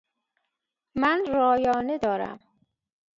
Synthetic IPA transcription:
mænɾɒːjɒːned̪ɒːɾæ̰m

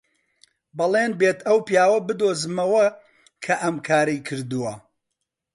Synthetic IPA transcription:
bɐlˠeːnbeːt̪ʰɐwpjaːwɐbɨd̪oːzɨmɐwɐ | kʰɐʔɐmkʰaːɾɐjkʰɨɾd̪ɨwɐ

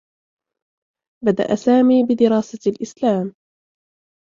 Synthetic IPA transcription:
bad̪a̰ʔasaːmiːbɪd̪ɪɾɑːsalʔɪslaːm

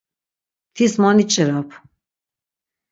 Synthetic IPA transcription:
t̪ʰismɔnit͡ʃʼɛɾapʰ

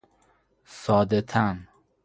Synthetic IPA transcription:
sɒːd̪et̪ʰæn

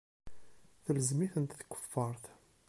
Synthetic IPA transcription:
θələzmiθənt̪θkʷːə̥fːəɾˤθ

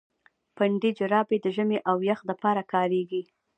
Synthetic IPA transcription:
paɳɖid͡ʒəɾɑbed̪əʒəmeʔawjaxd̪əpɑɾakɑɾeɡi

